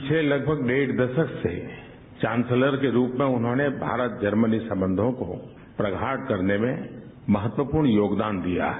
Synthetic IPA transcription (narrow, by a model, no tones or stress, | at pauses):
t͡ʃʰelɐɡ̚bʱəɡɖeːʈd̪ɐʃəksḛ | t͡ʃãːnsələɾkeɾuːpmẽʊnɦõnebʱa̰ːɾət̪̚d͡ʒɐɾmənisɐ̃mbə̃nd̪ʱõko | pɾɐɡʱaːʈkɐɾnemẽ | mɐɦət̪wəpuːɾɳjoːɡd̪aːnd̪ija̰ː